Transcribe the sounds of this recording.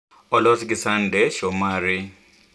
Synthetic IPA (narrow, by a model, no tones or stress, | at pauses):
ɔlɔskisandɛʃɔmaːɾi